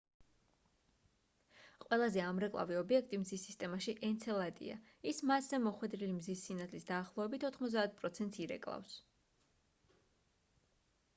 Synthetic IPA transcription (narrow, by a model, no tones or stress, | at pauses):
qʼwɛlˠazɛamɾɛkʼlˠa̰viɔbiɛk̚ʰt̪ʼimzisːist̪ʼɛmaʃiʔɛnt̪sʰɛlˠad̪ʼḭa̰ | ismaszɛmɔχwɛd̪ɾilimzisːinat̪ʰlisd̪aːχlˠɔɛbit̪ʰɔt̪ʰχmɔt̪d̪aːt̪̚ʰpʼɾɔt̪sʰɛnt̪siɾɛ̰kʼlˠa̰fs